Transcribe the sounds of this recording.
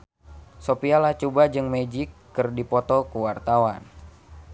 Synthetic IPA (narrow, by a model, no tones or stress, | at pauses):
sopialaht͡ʃubad͡ʒɨŋmed͡ʒikːɨrdipɔt̪ɔkuwart̪awan